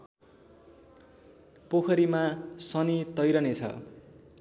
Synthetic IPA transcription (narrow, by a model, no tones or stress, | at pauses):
pokʰʌɾimasʌnit̪ʌjɾʌnet͡sʰʌ̰